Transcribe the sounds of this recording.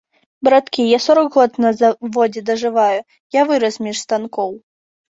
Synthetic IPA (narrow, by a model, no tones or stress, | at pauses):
bɾat̪kʲijasɔɾɐɡɣɔt̪nɐzavɔd͡zʲɛd̪ɐʐɨvaju | javɨɾɐsmʲiʂst̪ankɔw